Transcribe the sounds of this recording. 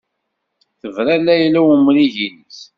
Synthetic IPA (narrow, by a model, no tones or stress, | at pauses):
θəvɾælːæjlæwumɾiʝinis